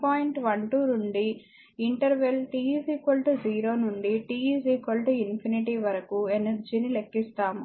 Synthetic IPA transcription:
paːjiɳʈʋɐɳʈuːnuɳɖi | iɳʈɐɾʋelʈiːsiːkolʈd͡ʒiːɾo̞ːnuɳɖiʈiːiːsiːkolʈinpʰiniʈiːʋɐɾɐkuenɐɾd͡ʒiːnile̞kːist̪aːmu

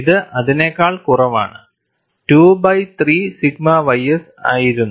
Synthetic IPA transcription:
iðɨʔɐðinekːaːɭkurɐʋa̰ːɳɨ | ʈuːbɐjt̪riːsiɡ̚mɐʋɐjɐs | aːjiɾunːu

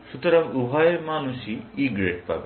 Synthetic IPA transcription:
sut̪ɾɐmubʱajmaːnusiiɡɾeʈ̚pa̰be

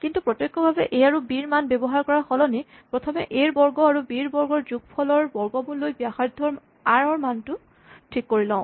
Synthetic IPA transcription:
kintupɹɔtjɔkːɔbʱabɛ̰ʔejaɹubiɹmanbebɔɦaɹkɔɹaxɔlɔni | pɹɔtʰɔmɛʔeɹbɔɹɡɔaɹubiɹbɔɹɡɔɹzuɡpʰɔlɔɹbɔɹɡɔmulːojbjaxaɹd̪ʱːɔɹm | aɹɔɹmantʊ | tʰikːoɹilɔ̃ʊ̃

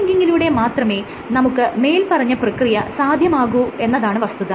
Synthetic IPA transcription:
ŋɡiŋɡiluːɽe̞maːt̪rɐme̞ː | nɐmukːɨme̞ːjlpɐrɐɲːɐprɐkrijɐsaːd̪ʱjɐmaːɣue̞nːɐðaːɳɨʋɐst̪uðɐ

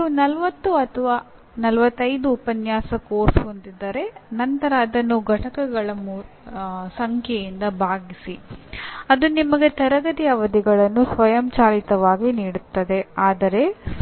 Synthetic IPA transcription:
unɐlʋɐt̪ːuɐt̪ʰɐʋaː | nɐlʋɐt̪ːɐjd̪uːpɐnjaːsɐkoːsond̪id̪ːɐɾe̞nɐnt̪ɐɾaːd̪ɐnːuɡʱɐʈɐkɐɡɐɭɐmːu | sɐŋkʰjɛjind̪ɐbʱaːɡisi | ɐd̪unimɐɡe̞t̪ɐɾɐɡɐd̪ijɐʋɐd̪iɡɐɭɐnːusʋɐjɐmt͡ʃaːlit̪ɐʋaːɡiniːɽut̪ːɐd̪e̞aːd̪ɐɾe̞

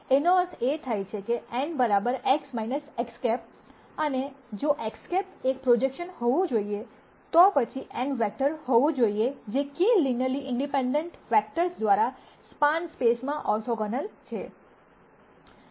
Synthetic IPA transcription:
enot̪ʰet̪ʰajt͡ʃʰekeɛɳɖbəɾabəɾeksmajnəsekskɛp̚ | əned͡ʒoʔekskɛpek̚pɾod͡ʒekʃənhɔʋũd͡ʒoie | t̪ɔpət͡ʃʰiʔɛ̃ɳʋɛk̚ʈəɾhɔʋũd͡ʒoied͡ʒekilinəliʔɪɳɖipẽɳɖẽɳʈfɛk̚ʈəɾsd̪ʋaɾa | spanspesmãʔɔɾsʰoɡənəlt͡ʃʰe

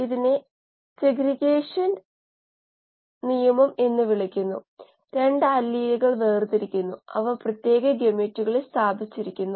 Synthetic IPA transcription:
iðine | seɡɾiɡeːʂɐn | nijɐmɐme̞nːɨʋiɭikʲːunːṵ | ɾeɳɖɨɐlːijɐɣɐɭʋeːrt̪iɾikʲːunːuɐ̰ʋɐprɐt̪je̞ːɡɐɡemetːuɣɐɭist̪ʰaːbʱit͡ɕːiɾikʲːunːu

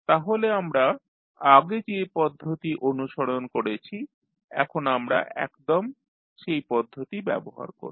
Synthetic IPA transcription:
t̪aɦoleamɾa | aɡed͡ʑepɔd̪ʱːot̪iʔonuʃoɽonkoɾet͡ɕʰi | ɛ̰kʰonamɾa̰ʔɛ̰kd̪om | ʃejpɔd̪ʱːot̪ibɛ̰boɦa̰ɾko̰ɾ

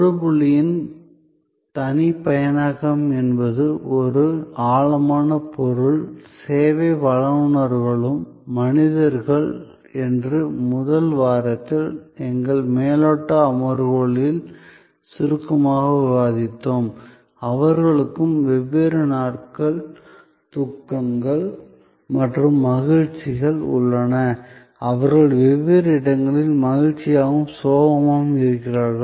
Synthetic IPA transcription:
ɾɯbʊɭɪjɪn | t̪ɐnɪpɐjɐnaːɣɐmɛnbɐðɯʔɔɾɯaːɭɐmaːnɐpɔɾɯɭseːʋeʋɐɭɐmɳɐɾɣɐɭɯmː | ɐnɪðɐɾɣɐɭ | ɛndrɯmʊðɐlʋaːɾɐt̪ːɪlɛŋɡɐɭmeːlɔʈːɐːmɐɾɣɔɭɪl | sɪɾɯkːɐmaːɣɐʋɪʋaːðɪt̪ːom | ɐʋɐɾɣɐɭɯkːɯmʋɛʋːeːɾɐnaːʈkɐɭ | t̪ʊkːɐŋɡɐɭ | mɐʈrɯmːɐɣɪɻt͡ʃɪɣɐɭʊ̰ɭːɐnɐ | ɐʋɐɾɣɐɭʋɛʋːeːɾɐɪɽɐŋɡɐɭɪlmɐɣɪɻt͡ʃːɪjaːɣɯmsoːʋɐmaːɣɯmɪɾɯkːɪraːɾɣɐɭ

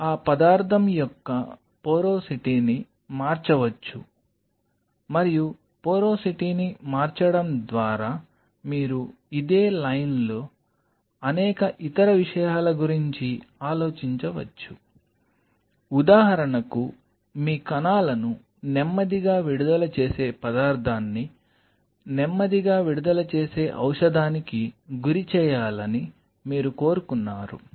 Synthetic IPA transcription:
aːpɐd̪aːɾt̪ʰɐmjɔkːɐ | poːɾo̞ːsiʈiːni | maːɾt͡ʃɐʋɐt͡ʃːu | mɐɾiju | poːɾoːsiʈiːnimaːɾt͡ʃɐɽɐmd̪ʋaːɾaː | miːɾu | id̪e̞ːlɐjnlo̞ː | ɐnɛːkɐʔit̪ɐɾɐʋiʂɐjaːlɐɡuɾiɲt͡ʃiaːlo̞ːt͡ʃiɲt͡ʃɐʋɐ̰t͡ʃːu | ud̪aːɦɐɾɐɳɐku | miːkɐnaːlɐnu | nɛmːɐd̪iɡaːʋiɽud̪ɐlɐt͡ʃe̞ːse̞ːpɐd̪aːɾd̪ʰʱaːnːi | nɛmːɐd̪iɡaːʋiɽud̪ɐlɐt͡ʃe̞ːse̞ːʔɐ̰wʂɐd̪aːnikiɡuɾit͡ʃɛːjaːlɐni | miːɾuko̞ːɾukunːaːɾṵ

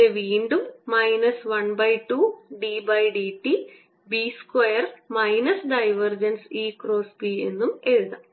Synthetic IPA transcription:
eʋiːɳɖumːɐjnɐsʋɐnbɐjʈuːɖiːbɐjɖiːʈːi | biːskwejɐrmɐjnɐsɖɐjʋɐrd͡ʑɐnsiːkɾo̞ːsbie̞̰nːumeɻuðɐ

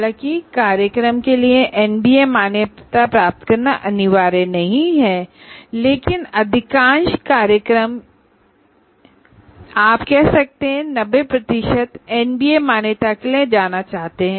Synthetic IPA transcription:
lãkikaːɾjəkɾəmkelieʔɛːnbiːemaːnet̪apɾaːp̚t̪kɐɾnaʔɐnɪʋaːɾenɐɦĩɦɛː | leːkɪnɐd̪ʱɪkãːnʃkaːɾjəkɾəm | aːpkɛɦsɐk̚t̪eɦɛ̃nɐbepɾɐt̪ɪʃət̪ɛːnbiːemaːnjet̪aklẽd͡ʒaːnat͡ʃaːɦt̪eɦɛ̃ː

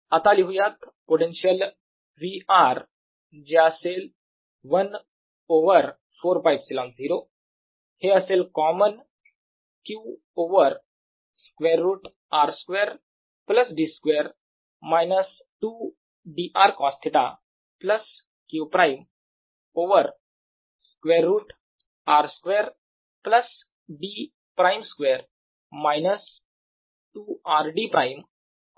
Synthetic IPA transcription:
at̪aliɦujat̪ | poʈẽnɕəl | ʋiaɾ | d͡ʑaəsel | ʋən | oʋəɾ | foɾfajʋsilãnziɾo | heəselkɔmən | kju | oʋəɾ | skʋeɾːuːʈ | aɾskʋeɾ | pləsɖiskʋeɾ | majnəs | ʈuː | ɖiʔaɾkɔst̪ʰit̪a̰ | pləs | kjuːpɾʔajm | oʋəɾ | skʋeɾːuːʈ | aɾskʋeɾ | pləs | ɖiː | pɾajmskʋeɾ | majnəs | ʈuːaɾɖipɾʔajm

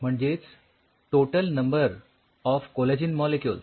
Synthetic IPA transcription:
m̤əɳd͡zet͡s | ʈoʈəlnəmbəɾ | ɔfkolad͡ʑinmɔlekjul

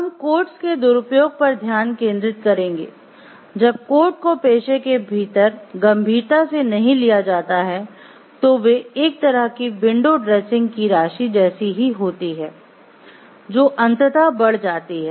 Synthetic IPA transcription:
ɦɐmkoːɾʈsked̪ʊɾʊpjoːɡ̚pɐɾd̪ʱjaːnkẽːnd̪ɾɪt̪kɐɾẽːŋɡḛː | d͡ʒɐb̚koːɾʈ̚kopeːʃekebʱiːt̪əɾɡɐ̃mbʱiːɾt̪asenɐɦĩlijad͡ʒaːt̪aɦɛ | t̪oʋeeːk̚t̪ɐɾəɦkibɪ̃ɳɖoɖɾɛːsɪ̃ŋɡkiɾaːʃid͡ʒɛːsiɦiɦoːt̪iɦɛː | d͡ʒoːʔɐ̃nt̪ət̪abɐɽ̤d͡ʒaːt̪iɦɛː

